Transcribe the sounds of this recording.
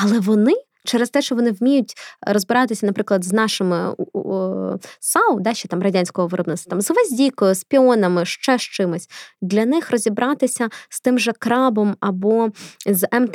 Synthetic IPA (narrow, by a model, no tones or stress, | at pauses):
ɐlˠɛʋɔnɪ | t͡ʃɛɾɛst̪ɛʃt͡ʃɔʋɔnɪwmʲijʊtʲɾɔzbɪɾɑt̪ɪsʲɐnɐpɾɪklˠɐd̪znɑʃɪmɪ̰ | sɑwˠd̪ɑʃt͡ʃːɛt̪ɑmrɐdʲanʲsʲkɔɦɔʋɪɾɔbnɪst̪t̪ɑmzʋɐzʲdʲijkɔjʊspʲiɔnɐmɪʃt͡ʃɛʃt͡ʃɪmɪsʲd̪lʲɐnɪxrɔzʲibɾɑt̪ɪsʲɐst̪ɪmʒɛkɾɑbɔmɐbɔzɛmt̪